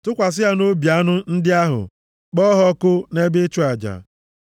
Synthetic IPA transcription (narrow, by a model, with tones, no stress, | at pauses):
tʊ˦kʷa˨s̬ɪ˦ɦa˨no˦bi˨a˦nʊ˦n̩˦dɪ˦a˦ɦʊ̰˨ | k͡pɔ˦ɦɔ˦kʊ˦ne˦be˦t͡ʃu˦a˨d͡ʒa̰˨